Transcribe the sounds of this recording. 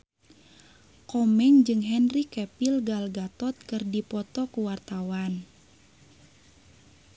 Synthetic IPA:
kɔmɛŋd͡ʒɨŋɦɛnrikɛpilɡalɡat̪ɔt̪̚kɨrdipɔt̪ɔkuwart̪awan

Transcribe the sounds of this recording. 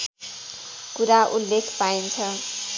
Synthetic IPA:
kuɾaʔulːekʰpaint͡sʰʌ

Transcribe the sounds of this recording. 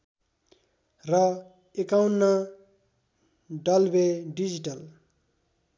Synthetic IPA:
rʌ | ekawnːa | ɖʌlbeɖid͡ziʈʌl

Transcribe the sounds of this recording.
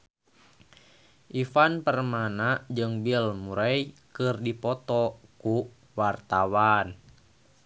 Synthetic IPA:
ʔifanpərmanad͡ʒɨŋbilmuɾɛjkɨrdipɔt̪ɔku | wart̪awan

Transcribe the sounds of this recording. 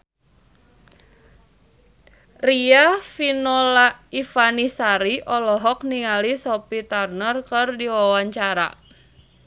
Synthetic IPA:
riafinɔlaifanisaɾiʔɔlɔɦɔk̚niŋalisɔpit̪arnərkɨrdiwawaɲt͡ʃaɾa̰

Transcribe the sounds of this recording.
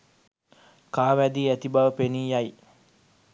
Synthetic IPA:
kaːʋæd̪iːæt̪ibaʋəpeniːjaj

